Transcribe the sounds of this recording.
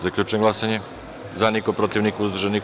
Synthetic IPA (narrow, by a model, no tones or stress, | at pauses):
zakʎʲut͡ʃnɡlˠasaɲe | zanikopɾot̪iʋnikuzd̪r̩ʒeni